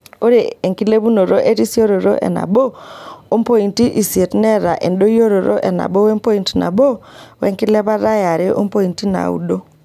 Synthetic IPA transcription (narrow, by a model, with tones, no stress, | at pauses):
o˦ɾe˨e˨ŋki˦le˦βu˦no˨ɾo˦ʔe˦ti˦si˦o˦ɾo˨ɾo̰˦ʔɛ̰˨na̰˨bo˦o˦mpo˦i˨nti˦ʔi˨si˨e˨tnɛ˦ɾa˨ʔe˨ndo˦jo˦ɾo˨ɾo̰˦ʔɛ˨na̰˨bo˦we˦mpo˦i˨nti˨na̰˨bo˦wɛ˦ŋkɪ˦lɛ˦βa˦ɾa˦ja˨ɾɪ˦ʔo̰˦mpo˦i˨nti˦na̰˨ṵ˦do˦